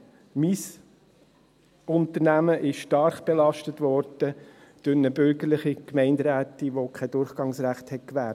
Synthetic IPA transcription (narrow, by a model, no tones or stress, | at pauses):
mis | ʊnt̪əɾnæməʔɪʃʃtɑɾχb̥elɑʃtətʋɔɾd̥ə | d̪̥ʊɾnəbʏɾɡəɾlɪχikmɛɪndɾæːt̪iʋokʰɛdʊɾχɡ̥ɑŋsɾæχthɛt̚kʋæːɾt